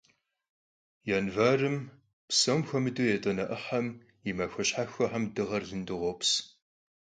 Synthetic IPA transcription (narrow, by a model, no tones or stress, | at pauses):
janvaːrɨm | psɐmxʷɐmɨdujɛtʼɐnɐʔəħɐm | jimɐxʷɐɕħaxʷɐħamdɨʁɐrzɨndɨʁʷɔps